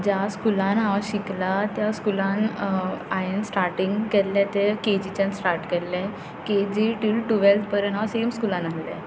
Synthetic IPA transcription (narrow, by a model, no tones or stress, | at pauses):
d͡ʑaskulanɦaʋaɕiklat̪jaskulan | aensʈaɾʈiŋɡkɛlːɛ̃t̪eked͡ʑit͡ɕãnsʈaɾʈkɛlːɛ̃ | ked͡ʑiʈilʈuʋelt̪pəɾə̃nɦãʋasemskulãnalːɛ̰̃